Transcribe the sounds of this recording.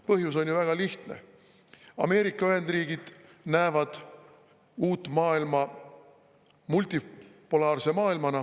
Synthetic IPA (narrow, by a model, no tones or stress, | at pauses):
pɤɦjuso̞nʲjuvæɡ̥ɑliht̪nḛ | ɑ̰me̞ːɾikːˑɑyhe̞nd̪̥riːɡ̥id̪̥ | næːvɑd̪̥ | uːt̪ːˑmɑːilmɑ | mult̪ʲipːulɑːrsemɑːilmɑnɑ